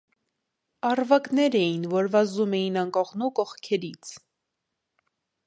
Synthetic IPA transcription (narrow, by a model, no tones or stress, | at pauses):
ɑrvɑknɛɾɛjinvɔɾvɑzumɛjinɑŋkɔʁnukɔχkʰɛɾit͡sʰ